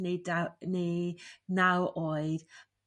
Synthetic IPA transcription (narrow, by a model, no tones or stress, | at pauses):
nedanejnawoːɨð